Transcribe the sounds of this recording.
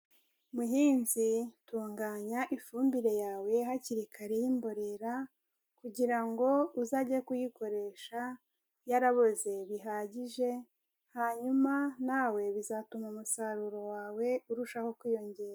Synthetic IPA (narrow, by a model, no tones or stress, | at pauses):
muɦiːnzituːŋɡaːɲaʔifuːmbiɾe̞jaːwe̞ɦaciɾikʰaɾe̞jimbo̞ɾe̞ɾa | kuɟiɾaŋɡo̞uzaɟakujiko̞ɾe̞ʃa | jaɾaβo̞ze̞βiɦaːɟiʒe̞ | haɲumanaːwe̞βizatumamusaɾuɾo̞waːwe̞uɾuʃaho̞kwiːjo̞ɲɟe̞ːɾa